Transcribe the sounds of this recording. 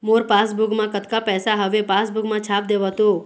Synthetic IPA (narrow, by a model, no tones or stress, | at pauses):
moɾpasbuɡmãkət̪kapɛːsaɦəʋepasbuɡmãt͡ʃʰap̚d̪eʋɦət̪o